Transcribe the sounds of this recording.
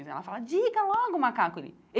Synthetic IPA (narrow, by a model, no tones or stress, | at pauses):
zia̰afalad͡ʒikalɔɡɔmakakilḭ | e